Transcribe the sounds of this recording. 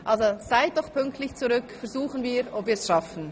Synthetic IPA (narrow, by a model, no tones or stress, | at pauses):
ʔalzoz̥aɪt̚d̥ɔχpʰʏŋk̚tlɪçt͡suʁʏkfɛɐzuːχənviːɾopviːɐsʃafn̩